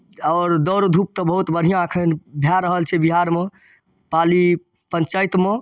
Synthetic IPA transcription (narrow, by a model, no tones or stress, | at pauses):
ɔːɾd̪ɔɾod̪ʱup̚t̪əbəɦut̪bəɽ̤ʱijãəkʰənbʱjaɾəɦəlt͡ʃʰɛbiɦaɾme | pali | pə̃nt͡ʃajt̪me